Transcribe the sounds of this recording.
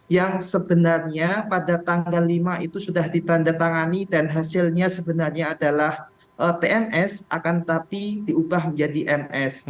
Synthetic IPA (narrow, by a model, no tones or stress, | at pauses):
jaŋsəbənarɲapadat̪aŋɡalːimaʔit̪usudahdit̪andat̪aŋanidanɦasɪlɲasəbənarɲaːdalah | ʔət̪eɛnɛsʔa̰kant̪apidiubahməɲd͡ʒadiʔɛmɛs